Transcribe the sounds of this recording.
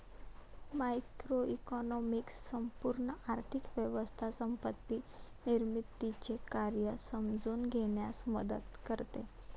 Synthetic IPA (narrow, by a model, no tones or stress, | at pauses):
majkɾoikɔnɔmiksːəmpuɾɳəaɾt̪ʰikʋjəʋəst̪ʰasəmpət̪ːi | niɾmit̪ːit͡ɕekaɾjəsəmd͡zuːnɡʱeɳjasmə̰d̪ə̰t̪kəɾt̪e